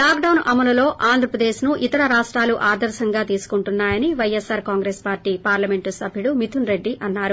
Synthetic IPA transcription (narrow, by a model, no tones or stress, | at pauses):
laːkɖɐwnʔɐmɐnɐlo̞ːʔaːnd̪ʱɾɐpɾɐd̪eːʃnuʔit̪ɐɾɐɾaːʂʈɾaːluʔaːd̪ɐɾʃɐŋɡaːt̪iːsu̥kuɳʈunːaːjɐniʋɐjesaːɾkaːŋɡɾeːspaːɾʈiːpaːɾlɐmeɳʈusɐbʱjuɽumit̪ʰunɾe̞ɖːiʔɐnːaːɾu